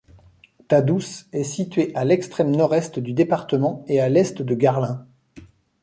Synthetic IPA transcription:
t̪ad̪usɛsit̪ɥeʔalɛkst̪χɛmnɔʁɛst̪d̪yd̪epaʁt̪əmɑ̃ealɛst̪d̪əɡaʁlɛ̃

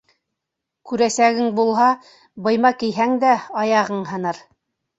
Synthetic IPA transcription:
kʉɾæsæɡɘŋbulˠɦɑ | bɤ̆jmɑkijɦæŋd̪æɑjɑʁɤɴɦɤ̆nɤɾ

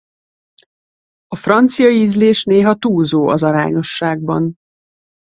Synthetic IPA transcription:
ɒfrɒnt̪sijɒiːzleːʃneːɦɒt̪uːzoːʔɒzɒɾa̰ːɲo̞ʃːaːɡ̚bɒn

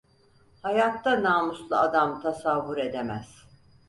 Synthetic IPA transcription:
hajat̪ːanaːmuslˠɯad̪amt̪ʰasavːuɾe̞d̪emæz̥

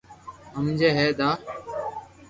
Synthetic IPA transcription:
əmd͡ʒeːɦeːd̪aː

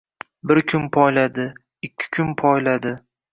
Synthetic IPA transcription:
bɪɾkʲʰʊnpʰɒjlad̪ɪ | ɪkʲʰːɪ̥kʲʰʊnpʰɒjlad̪ɪ

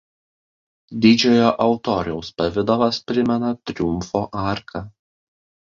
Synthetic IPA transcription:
d̪ʲɪd͡ʒʲɛjoːʔɐʊt̪ɔːɾʲɛʊspɐʋʲɪd̪ɔʋɐspʲɾʲɪmʲɛnɐt̪ʲɾʲʊmfoːʔɑˑɾkʰɐ

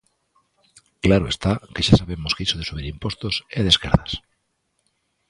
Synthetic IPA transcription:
klaɾoe̞st̪akeʃasaβ̞emoskisoðe̞suβ̞iɾimpwo̞st̪oseð̞e̞skaɾðas

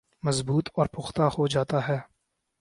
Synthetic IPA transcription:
mɐzbuːt̪ʰɔːɾpʊxt̪ahod͡ʒaːt̪aɦɛː

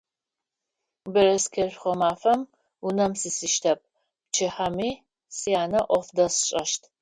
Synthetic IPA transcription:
bɐɾɐskʰɐrχʷɔmaːfɐm | unɐmsisɨʃtʰɐp̚ | p̚t͡ʃʰɪħɐmiː | sijaːnɐʔʷɔfdɐsɕʼɐʃtʰ

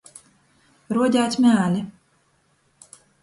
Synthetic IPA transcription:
ɾuɔdʲaːt̪ʲmʲæːlʲi

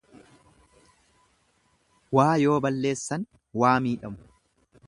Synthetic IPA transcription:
waːjo̞ːbɐlːe̞ːsːɐn | waːmiːᶑɐmʊ̥

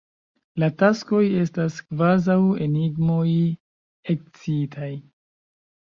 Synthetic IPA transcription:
latasko̞je̞staskvazawe̞niɡmo̞j | ek̚t͡siitʰaj

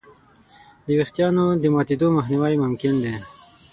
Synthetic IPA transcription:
d̪əwext̪jɑnod̪əmɑt̪ed̪omaxniwajmʊmkɪnd̪e

